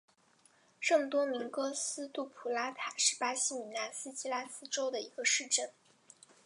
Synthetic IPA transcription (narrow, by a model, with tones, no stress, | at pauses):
ʈ͡ʂɤ˥˩mə˨˩t̪wɔ˥mi˧˥ŋkɤ˥sɹ̩˥t̪u˥˩pʰu˨˩la˥t̪ʰa˨˩˦ʂɻ̩˥˩pa˥ɕi˥˩mi˨˩na˥˩sɹ̩˥t͡ɕi˥la˥sɹ̩˥ʈ͡ʂo˥ʊd̪ə˨i˧˥ɡə˧ʂɻ̩˥˧ʈ͡ʂə˥˩n